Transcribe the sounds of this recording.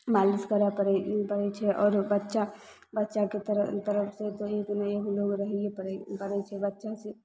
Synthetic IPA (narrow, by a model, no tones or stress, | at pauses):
maliskəɾapəɾɛpəɾɛt͡ʃʰɛʔɔːɾbətːʃa | bətːʃaket̪əɾət̪əɾəpʰset̪oeːknəeɦuloɡɾəɦɛ̃leəɾpəɾɛt͡ʃʰɛbətːʃase